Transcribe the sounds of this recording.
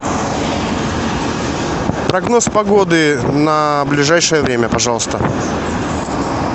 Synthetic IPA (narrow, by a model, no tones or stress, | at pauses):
pɾɐɡno̞spɐɡo̞d̪ɨnəblʲɪʐajʂəjəvɾʲemʲəpɐʐɑlˠəst̪ə̰